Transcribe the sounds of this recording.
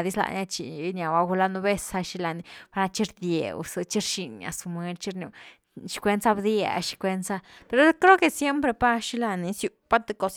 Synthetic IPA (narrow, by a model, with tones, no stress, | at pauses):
d̪i˦sla̰˧˨na˧t͡ʃi˨˧˦nʲa˨wa˧ɡu˧la˧nu˧be˦sa˧ʃi˦la˧ni˧˨pa˧ɾna˧t͡ʃi˦ɾd̪je˨w̰sɨ˧t͡ʃi˦ɾʃi˨ɲa̰˨su˧mwe˧lt͡ʃi˦ɾno̰˧˨ | ʃi̥˦kʷe˧˦nsa˦bd̪ja̰˧ʃi̥˧kʷe˧˦nsa˦pe˧ɾo˦lklo˦ke˨sje˦mpɾe˧pa˦ʃi˦la˧ni˨˧sju˧pa˦t̪e˧ko˧s